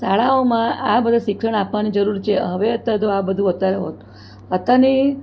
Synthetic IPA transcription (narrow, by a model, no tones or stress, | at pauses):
saɭaomãabəd̪ʱaʃɪkʂəɳ̃apʋanid͡ʒəɾuɾt͡ʃʰeəʋeət̪ːat̪oabəd̪ʱũot̪aɾɦo̰t̪ | ət̪ani